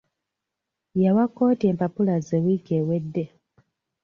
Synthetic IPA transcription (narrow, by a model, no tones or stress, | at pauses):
jawako̞ːte̞ːmpapulazewikeːwedːe̞